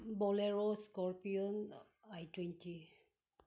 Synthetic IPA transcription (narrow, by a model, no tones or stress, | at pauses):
bɔleɹɔskɔɹpiɔn | ajtwɛntʰi